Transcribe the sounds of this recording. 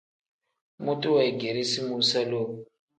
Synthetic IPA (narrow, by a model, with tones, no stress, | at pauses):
mu˦tʼu˦wa˨i˨ɡe˨ɾi˦si˦mu˦sa˦loː˦